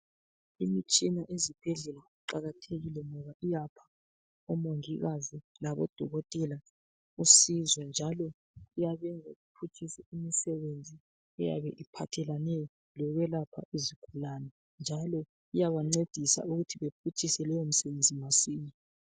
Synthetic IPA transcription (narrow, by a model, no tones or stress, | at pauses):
imit͡ʃʼinaʔezib̥ʱɛɮɛlaiǃaɣatʰeɣilɛŋɔβaʔijapʰḁ | ɔmoŋiɣazilaβɔ̰d̥ʱɔɣɔtʼɛla | usizwɛnd͡ʒʱalɔ | ijaβɛŋd͡zʱaɣupʰut͡ʃʰʼisɛimisɛβend͡zʱi | ɛja̰βɛʔipʰatʰɛlanɛɔ | lɔɣɛlapʰa̰ʔiziɡ̥ʱulaːnɛ | nd͡ʒʱalɔ | ijaβaŋ͡ǀed̥ʱisa̰uɣutʰiβepʰut͡ʃʼisɛlɛjom̩sɛβend͡zʱimasiːɲi